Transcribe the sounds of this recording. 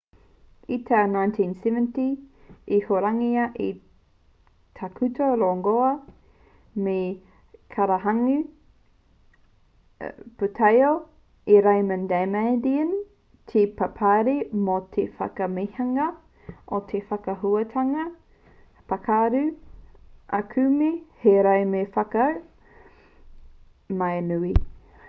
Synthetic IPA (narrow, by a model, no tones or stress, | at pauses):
itʰanajntʰĩnsɛvənti | ihoɾaŋiɐʔi | tʰakʰʉtʰoɾoŋɡoɐ | me | kʰaɾaɦaŋʉ | putʰɐjo | eɾajmə̃ndamadiən | tʰipʰapʰaɾimot̪ʰefɐ̰kɐmihɐŋɐ | ʔotʰefɐkɐɦuɐt̪ʰɐŋɐ | pɐkʰaɾʉ | ʔakʰʉmiheɾɐjmefɐkɐ | majnui